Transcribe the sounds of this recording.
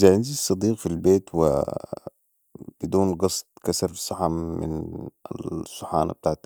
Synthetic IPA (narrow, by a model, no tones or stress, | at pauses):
zaʕanzisˤɑd̪iːqfilbeːt̪wɪ̰ | b̥ɪd̪uːnɡɑsˤt̪ˤkasɑɾˤfisˤɑħamɪ̰n̰ | sˤːɑħɑ̰ːna̰b̚t̪aːʕt̪